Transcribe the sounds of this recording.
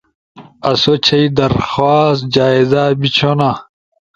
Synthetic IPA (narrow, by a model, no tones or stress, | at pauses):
ɐsot͡ɕʰɐid̪ɐɾxwaːst̪̚d͡ʑaːizabit͡ɕʰona